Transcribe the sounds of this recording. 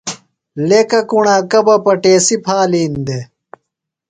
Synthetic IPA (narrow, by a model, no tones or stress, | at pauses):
lekɐkuɳaːkɐbɐpɐʈeːsipʰaːliːnd̪e